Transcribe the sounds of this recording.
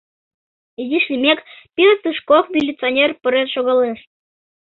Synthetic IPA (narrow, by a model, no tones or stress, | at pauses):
izʲiʃlʲimʲekpʲiɾt̪ɨʃkokmʲilʲːit͡sɨonʲerpə̆ɾenʃoɣɑleʃ